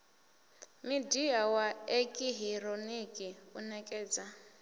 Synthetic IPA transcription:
midiawaekʼiɦiɾonikʼiunɛkʼɛːd͡za

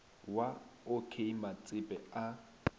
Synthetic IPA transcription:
waokʰeimat͡sʼɪpʼɛa

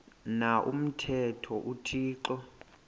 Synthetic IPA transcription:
naʔṵm̩tʰɛtʰɔʔutʰiːǃɔ

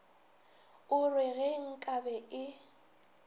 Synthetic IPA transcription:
ʊrwɪɣeŋ̩kʼabɛɪ

